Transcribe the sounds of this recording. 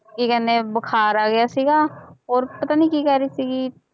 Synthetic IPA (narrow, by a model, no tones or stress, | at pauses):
kikɛːneːbəkʰaːɾaːɡɪjaːsiːɡaːɔːɾpət̪aːniːkiːkɛːɾiːsiːɡiː